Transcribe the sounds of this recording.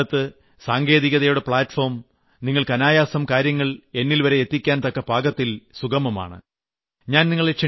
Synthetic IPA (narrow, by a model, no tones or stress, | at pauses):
ɐt̪ːɨ | saːŋɡe̞ːðiɣɐðɐjuɽepɭaːtfo̞ːrm | niŋːɐɭkɐnaːjaːsɐmkaːɾjɐŋːɐɭe̞nːilʋɐɾe̞et̪ːikʲːaːnt̪ɐkːɐbʱaːɡɐt̪ːilsuɣɐmɐma̰ːɳɨ̰ | ɲaːnniŋːɐɭeʂɐ